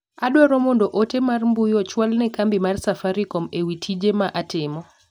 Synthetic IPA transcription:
aɗwɔɾɔmondɔʔotemarmbʊjɔt͡ʃwalnɛkambimarsafaɾikɔmewitʰid͡ʒemaʔatɪmɔ

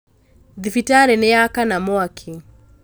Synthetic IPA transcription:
ðifitaɾɛnɛakanamɔakʰi

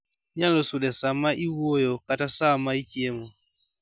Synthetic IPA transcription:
ɲãlɔsudɛsamaʔiwojɔkatasamaikiɛmɔ

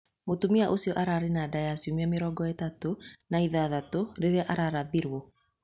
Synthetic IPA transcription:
motumiaʔosiɔʔaɾaːɾenadajasiomeameɾɔːɡɔetatonaiðaːðatoɾeɾeaʔaɾaɾaðiɾwɔ

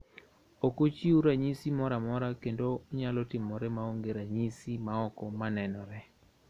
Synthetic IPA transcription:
okot͡ʃiuɾaɲisimɔɾamɔɾakendoɲalɔtɪmɔɾɛmaoŋɡeɾaɲisimaɔkɔmanɛnɔɾɛ

